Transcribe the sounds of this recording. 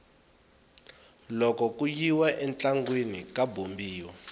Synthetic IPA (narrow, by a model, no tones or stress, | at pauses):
lɔkɔkujiwaʔɛnt͡ɬaŋɡwenikabʱombiːwa